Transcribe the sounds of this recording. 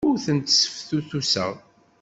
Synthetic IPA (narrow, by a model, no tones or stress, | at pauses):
ʊɾθənt̪sə̥fθuθusə̰ʁ